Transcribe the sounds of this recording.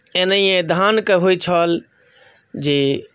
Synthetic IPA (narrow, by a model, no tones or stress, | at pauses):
enəiẽd̪ʱankəɦoit͡ʃʰɔːl | d͡ʒe